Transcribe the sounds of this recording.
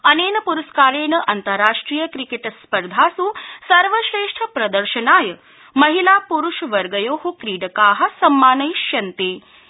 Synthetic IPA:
ɐneːnɐpuɾɐskaːɾeːnɐʔɐnt̪əɾːaːʂʈɾiːjəkɾikeʈɐspəɾd̪ʱaːsuːsɐɾʋəʃeːʂʈʰəpɾɐd̪əɾʃənaːjɐ | mɐɦilapuɾuʃʋɐɾɡɐjoːɦukɾiːɖəkaːɦɐ̆sɐmːaːnɐjʃjɐnt̪eː

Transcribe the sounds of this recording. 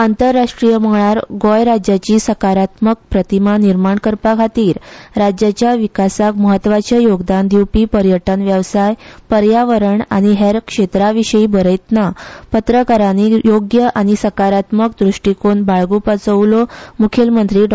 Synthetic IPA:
ant̪əɾːaʂʈɾijəməɭaɾɡɔjɾad͡ʑjat͡ɕiːsəkaɾat̪mək̚pɾət̪imaniɾmaɳkəɾpakʰat̪iːɾɾad͡ʑjat͡ɕjaʋikasakməɦət̪ːʋat͡ɕəjoɡd̪and̪iwpiːpəɾjəʈənʋjəʋsajpəɾjaʋəɾəɳa̰ɽ̃iɦeɾkʂet̪ɾaʋiɕəiːbəɾəjt̪napət̪ɾəkaɾañijoɡjəʔaɽ̃isəkaɾat̪məkd̪ɾuʂʈikoɳbaɭɡupət͡səʋlomukʰelmənt̪ɾiːɖ

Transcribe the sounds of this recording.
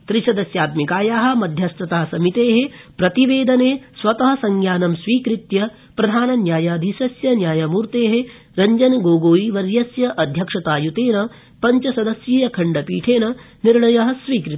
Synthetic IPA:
t̪ɾiʃɐd̪ɐsjaːt̪mikaːjaːɦɐ̆mɐd̪ʱjɐst̪ɐt̪aːɐsɐmit̪eːɦepɾɐt̪iʋeːd̪ɐneːsʋɐt̪ɐɦɐsɐŋɡjaːnɐmsʋiːkɾit̪jɐ | pɾɐd̪ʱaːnɐnjaːjaːd̪ʱiʃɐsjɐnjaːjɐmuːɾt̪eːɦe | ɾɐɲd͡ʒɐnɡoːɡoːjiʋɐɾjɐsjɐʔɐd̪ʱjɐkʂɐt̪aːjut̪eːnɐ | pɐɲt͡ʃɐsɐd̪ɐsjeːjɐkʰɐɳɖɐpiːʈʰeːnɐ | niɾɳɐjɐɦɐ̆sʋiːkɾit̪

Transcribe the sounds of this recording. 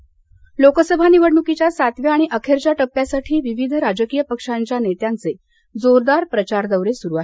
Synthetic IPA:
lokəsəbʱaniʋəɽɳukit͡ɕjasat̪ʋjəaɽ̃iʔəkʰeɾt͡ɕaʈəpːjasaʈʰiːʋiʋid̪ʱəɾad͡ʑəkijəpəkʂaɲt͡ɕjanet̪jant͡se | d͡zoɾd̪aɾpɾət͡ɕaɾd̪əwɾesuɾuaɦe

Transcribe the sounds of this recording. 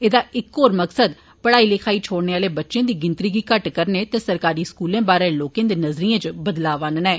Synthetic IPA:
eːd̪aːɪkːoːɾməksəd̪ | pəɽaːiːleːkʰaːiːt͡ʃʰoːɽneːaːleːbətːʃãːd̪iːɡɪnt̪ɾiːɡiːkəʈkəɾneːt̪eːsəɾkaːɾiːskuːlẽːbaːɾẽːloːkẽːd̪eːnəzɾijãːt͡ʃbəd̪laːʋãːnənɛː

